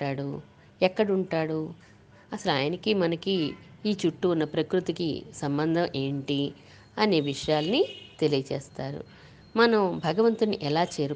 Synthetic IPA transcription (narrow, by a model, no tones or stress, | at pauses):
aːɽu | ɛkːɐɽuɳʈaːɽu | ɐsɐlaːjɐnɐkimɐnɐkiːt͡ʃuʈːuːnːɐpɾɐkɾut̪ikḭsɐmbɐnd̪ʱɐmʔe̞ːɳʈi | ɐneːʋiʂɐjaːlɐnit̪e̞lijɐt͡ʃeːst̪aːɾṵ | mɐnɐmbʱɐɡɐʋɐnt̪uniʔɛlaːt͡ʃeːɾu